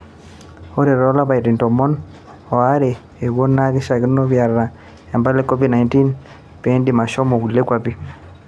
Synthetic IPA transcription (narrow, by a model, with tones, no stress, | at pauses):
o˦ɾe˨ɾola˦βa˨iti˨nto˨mo˦n | o˨aɾeː˨ | βwo˦na˦ɣe˦ʃa˨ɣi˦nno˦βja˨ɾɾa | ja˨mba˦le˦kovidna˨inti˦n | pe˦ndima˨ʃo˦mo˨ɣu˨le˦kwapi˦